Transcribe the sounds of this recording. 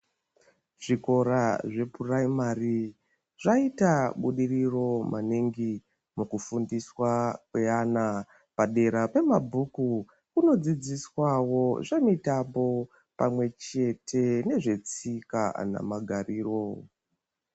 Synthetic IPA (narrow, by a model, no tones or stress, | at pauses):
ʐ̥iko̞ɾaʐe̞puraimari | ʐaitaɓuɗiriro̞maniŋɡi | mukufundiswakweana | paɗe̞ɾape̞mabʱuku | kuno̞d͡zid͡ziswawo̞ʐe̞mitambo̞ | pamwe̞t͡ʃe̞tʰe̞ne̞ʐe̞t͡sika̰na̰maɡʱariːro̞